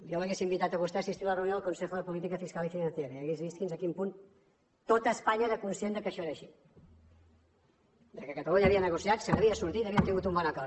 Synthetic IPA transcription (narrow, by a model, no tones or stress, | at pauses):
joməɣesimbit̪at̪əɣust̪aːsist̪iɾləreunjoːlˠkunsexuðəpulit̪̬ikəfiskalifinɐnθjeɾəiəɣezβiskinzəkimpun | t̪ot̪əːspaɲəɾəkunsjend̪əkəʃɔeɾəʃi | d̪əkəkət̪əluɲaəːβiənəɣusjat̪sənəβiəsuɾt̪it̪əβiənt̪iŋɡut̪̬umbɔnəkɔ